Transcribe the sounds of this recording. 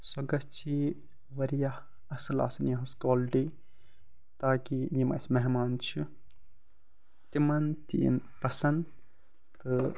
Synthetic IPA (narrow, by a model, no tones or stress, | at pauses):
sɐɡɐst͡ʃʰi | ʋɐɾijah | ɐsla̰ːsɐnjɐɦɐskoːlɖi | t̪aːkijimɐ̰smɐɦmaːnt͡ʃʰi | t̪imɐnt̪ḭnpɐsɐnd̪ | t̪ɨ